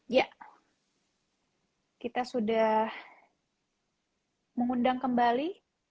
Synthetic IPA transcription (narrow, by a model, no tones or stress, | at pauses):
jaʔ | kit̪asudah | məŋundaŋkəmbali